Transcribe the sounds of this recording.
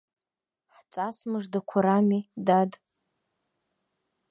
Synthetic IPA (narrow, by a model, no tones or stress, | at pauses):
ħt͡sʼasmɨʐdakʷʰaɾamidad